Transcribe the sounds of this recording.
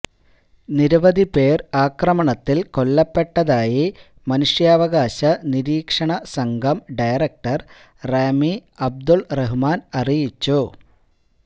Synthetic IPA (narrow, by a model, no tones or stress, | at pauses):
niɾuʋɐd̪ipeːraːkrɐmɐɳɐt̪ːilko̞ɭːɐpːe̞ʈːɐðaːji | mɐnuʂjaːʋɐɣaːɕɐniɾiːkʂɐɳɐsɐŋɡɐmɖɐjrɐk̚ʈɐr | reːmiɐb̚d̪uɭreɦumaːnɐrijit͡ɕːu